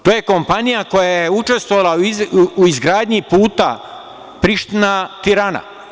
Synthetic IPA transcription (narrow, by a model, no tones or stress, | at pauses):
t̪oːje̞ko̞mpanijako̞jajeut͡ʃe̞st̪ʋoʋalˠaiuizɡɾaːd̪ɲipuːt̪a̰ | pɾiʃt̪inat̪iɾaːna̰